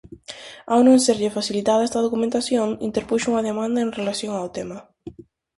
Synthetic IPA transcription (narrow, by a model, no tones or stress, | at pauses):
awnõŋseɾʎefaθilit̪aðaest̪aðokumẽnt̪aθjoŋint̪eɾpuʃuŋaðemãnd̪aeŋrelasjoŋawt̪ema